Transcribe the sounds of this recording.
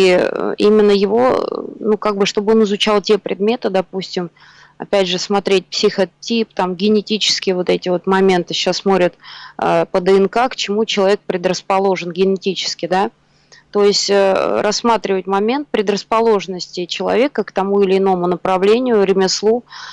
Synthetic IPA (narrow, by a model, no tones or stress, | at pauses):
ḭʔimʲɪnːəjɪvo̞̰nukaɡ̚bɨʂt̪o̞bəɨo̞nɨzʊt͡ɕalˠtʲe̞pɾʲɪd̪mʲet̪ɨd̪ɐpusʲtʲɪm | ɐ̰pʲædʲʐɨsmɐt̪ɾʲet̚ʲpsʲɪxɐtʲipt̪amɡʲɪnʲɪtʲit͡ɕɪ̥skʲɪjəvo̞t̪ɛtʲɪvo̞t̪mɐmʲe̞nt̪ɨɕasːmo̞t̪ɾʲɪt̪ə̰pəd̪əɛnkakt͡ɕɪmut͡ɕɪlˠɐvʲek̚pɾʲɪd̪ɾəspɐlˠo̞ʐɨnɡʲɪnʲɪtʲit͡ɕɪ̥skʲɪd̪a | t̪o̞ɪsʲtʲə̰ɾɐsːmat̪ɾʲɪvətʲmɐmʲent̪̚pɾʲɪd̪rəspɐlˠo̞ʐnəsʲtʲɪt͡ɕɪlˠɐ̰vʲe̞kəkt̪ɐmuɪlʲɪːno̞mʊnəpɾɐvlʲenʲɪjʊɾʲɪmʲɪslˠu